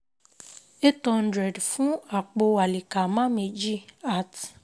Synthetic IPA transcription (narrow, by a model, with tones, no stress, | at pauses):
e˦tɔ˧n̩˦dɾɛ˨dfũ˨˦a˨k͡po˧a˨li˨ka˨mã˦me˧d͡ʒi˦a˦˨t